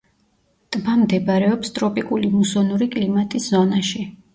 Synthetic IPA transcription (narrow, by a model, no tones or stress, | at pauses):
t̪ʼmamd̪ɛbaɾɛɔpst̪ʼɾɔpʼikʼulimusɔnuɾikʼlimat̪ʼiszɔnaʃi